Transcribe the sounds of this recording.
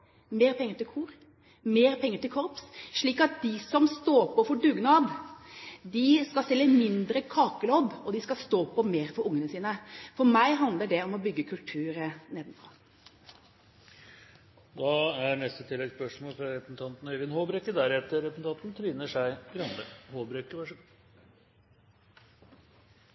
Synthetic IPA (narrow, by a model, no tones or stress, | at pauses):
meːɾpʰɛŋːəʈ̪ɪlkʰuːɾ | meːɾpʰɛŋːəʈ̪ɪlkʰɔɾpsʂɭiːkɑt̪̚d̪ɪsɔmst̪oːpʰɔfɔɖʉːɡnɑːd̪ | d̪ɪskɑsɛlːəmɪnd̪ɾəkʰɑːkəloːd̪ɔd̪ɪskɑst̪oːpʰɔmeːɾfɔɾʊŋːənəsiːnəfɔɾmæɪɦɑnd̪ləɖɛɔmɔbʏɡːəkʰʉlt̪ʰʉːɾəneːd̪n̩fʰɑ | d̪ɑæɾɳɛst̪ət̪ʰɪlːɛɡspœʂmoːlfɾɑɾɛpn̩t̪ʰɑnt̪n̩œʋənhoːbɾɛkːəd̪æɾɛt̪əɾɛn̩t̪ʰɑt̪n̩t̪ʰɾyːnəʂæɪɡɾɑnd̪əhoːbɾɛkːəʋæʂ